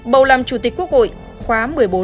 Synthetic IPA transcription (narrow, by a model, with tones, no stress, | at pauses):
ɓə˨˩wlaː˨˩mt͡ɕu˧˩t̪i˨˩k̟̚ku˦˥ək̚ho̰˧˨j | xwaː˨˦mmɨ˨˩əjɓo˨˦